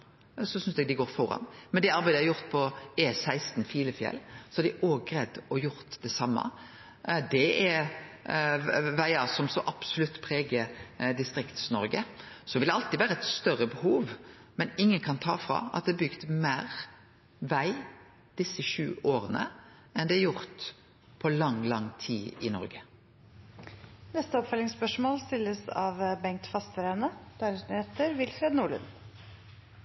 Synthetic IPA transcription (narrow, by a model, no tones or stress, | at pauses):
sɔsʏnsd̪ɛɡd̪ɪɡoːɾfɔɾɑ̰nmɛnd̪ɛɑɾbæɪd̪əæɾjʊɾt̪pʰɔɛsæɪst̪n̩fiːləfjɛ̰lːsɔæɾd̪ɪʔoːɡɾɛd̪ːɔjʊɾt̪d̪ɛsɑmːɑ̰ | d̪ɛɛɾ | ʋæɪɑsɔmsɔʔɑb̥sʊlʉt̪ːpʰɾeːɡəd̪ɪst̪ɾɪkt̪snɔɾɡə | sɔʋɪld̪ɛɑlt̪id̪ʋæːɾəɛt̪st̪œɾəbəhuːʋmɛnɪŋːənkʰɑnt̪ʰɑ̰ːfʁɑ̰ːɑ̰t̪̚d̪ɛːbʏɡt̪mæːʁ | ʋæɪ | d̪̥ɪsːəʃʉ̰ːoːʁənə̰ | ɛnd̪ɛæɾjʊʁt̪ | pʰɔlɑŋlɑŋt̪ʰiːɪnɔ̰ɾɡə | nɛst̪əɔpfœlɪŋspœʂmoːlst̪ɪlːəsɑ̰ʋbɛŋk̚t̪fɑst̪əɾɛnəd̪̥æɾsnyːeːt̪əɾʋɪlfɾeːd̪nuːɭʉ̰n